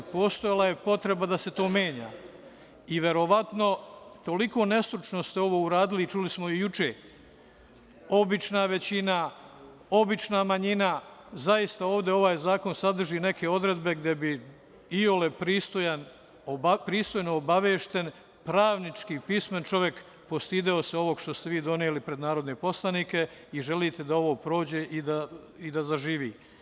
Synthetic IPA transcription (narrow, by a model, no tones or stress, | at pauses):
po̞ːst̪o̞jalˠaje̞po̞t̪ɾebad̪ase̞t̪o̞ːmjeːɲa̰ː | iʋe̞ɾo̞ʋat̪no̞t̪o̞liko̞ːne̞st̪ɾut͡ʃno̞st̪eo̞ʋo̞ːuɾaːd̪ilit͡ʃulismo̞jut͡ʃḛː | o̞bit͡ʃnaʋe̞t͡ɕina | o̞bit͡ʃnamaɲinazaist̪ao̞ːʋd̪eo̞ʋaːjzaːko̞nsad̪r̩ʒiːne̞kʰe̞o̞d̪ɾe̞d̪be̞ɡd̪e̞bi | iolepɾiːst̪ojan | obpɾiːst̪o̞jnoːbaʋeːʃt̪e̞n | pɾaːʋnit͡ʃkiːpisment͡ʃo̞ʋje̞k | po̞st̪iːd̪eoseo̞ʋo̞ɡʃt̪o̞st̪eʋiːd̪o̞nielipɾe̞d̪naːɾo̞d̪ne̞po̞slˠanike̞iʒe̞liːt̪e̞d̪ao̞ʋo̞ːpɾo̞ːd͡ʑe̞ːʔid̪aid̪azaʒiːʋḭː